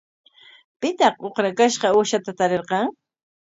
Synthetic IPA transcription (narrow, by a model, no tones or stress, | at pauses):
pɪt̪ɑqoqɾakaʃqɑʊʃat̪at̪aɾeɾqɑŋ